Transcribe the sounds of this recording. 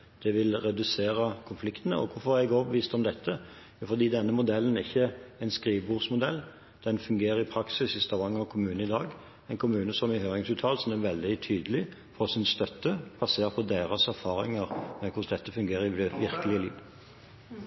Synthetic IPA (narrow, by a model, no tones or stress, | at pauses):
d̪̥ɛʋɪlɾɛd̪ʉseːɾəkʰʊnflɪkt̪ənə̰ɔ̰kʰʊfɔɛɡoːʋʋiːst̪ɔmd̪ɛt̪ʰːə | jʊfɔɾd̪iːd̪ɛnːəmʊd̪ɛlːənɪçːəæɪnskʁiːʋbuːʁsmʊd̪ɛlː | d̪̥ɛnfʉŋɡeːɾəɾɪpʰɾɑksɪsɪst̪ɑʋɑŋːɔkʰʊmʉːnəɪd̪ɑːɡ | ɛɪnkʰʊmʉːnəsɔmɪɦøːɾɪŋsʉːt̪ʰɑːlsɔn̩ɛʋɛld̪ɪt̪ʰyːd̪əlɪ | fɔsɪnst̪œt̪ːəbʰɑseːʁpʰɔd̪eːɾɑsæʁɾfɑːɾɪ̰ŋəʁmɛkʰʊsd̪ɛt̪ːəfʉŋɡeːɾəɪʋɪɾkəlɪəlḭːʋ